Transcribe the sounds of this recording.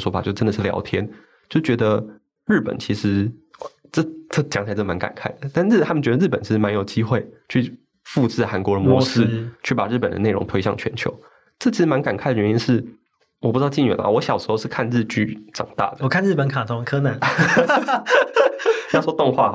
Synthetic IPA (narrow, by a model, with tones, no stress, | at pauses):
swɔ˧˥fa̰˨˩t͡ɕo˥˧˩ʈ͡ʂə˥nd̪ə˨˩ʂ̩˥˩ljɑ̰˧˥ʊt̪ʰjɛ˥n | t͡ɕjo˥˧ʂt͡ɕɥɛ˧˥d̪ə˧ | ɻ̩˥˩pə̰˨˩nt͡ɕʰi˧˥ʂɻ̩˧˥˩ | ʈ͡ʂɤ˥˧ʈ͡ʂɤ˥˩t͡ɕjɑ˧˥ŋʰa˧˥˩ma˧˦˥nka̰˨˩nkʰa˥˩ɪd̪ə˩t̪a˥˧nɻ̩˥˩t̪ʰa˦˥mə˨nt͡ɕɥɛ˧˥d̪ə˧ɻ̩˥˩pə˨˩nt͡ɕʰi˧˥ʂɻ̩˧ma˧˦njo˨˩ʊt͡ɕi˥xwe˥˩ɪt͡ɕʰy˥˧ | fu˥˧ʈ͡ʂ̩˥˩xa˧˥nkwɔ˧˥də˧mwɔ˧˥˧ʂɻ̩˥˧t͡ɕʰy˥˩pa˨˩ɻ̩˥˩pə˨˩nd̪ə̰˦ne˥˩ɪʔʊ̰˧˥ŋt̪ʰwe˥ɪɕjɑ˥˩ŋt͡ɕʰɥɛ̰˧˥nt͡ɕʰjo̰˧˥ʊ | ʈ͡ʂɤ˥˩t͡ɕʰi˧˥ʂɻ̩˧ma˧˦nka˨˩nkʰa˥˩ɪd̪ə˩ɥɛ˧˥ni˥nʂɻ̩˥˩ | wɔ˨˩pu˥˩˧ɑ˥˧˩t͡ɕi˥˩nɥɛ̰˨˥˩l̰wɔ˧˦ɕjɑ˨˩ʊʂɻ̩˧˥xo˥˧ʊʂɻ̩˥˧kʰa˥˧nɻɻ̩˥˧t͡ɕy˥˩ʈ͡ʂɑ̰˨˩ŋt̪a̰˥˩d̪ə˩wɔ˨˩kʰa˥˧nɻ̩˥˩pə˧˥nkʰa˨˩t̪ʰʊ˥ŋkʰɤ˥na˨˧˥n˧ | jɑ˥˧ʂɔ˥t̪ʊ˥˧ŋxwa̰˥˩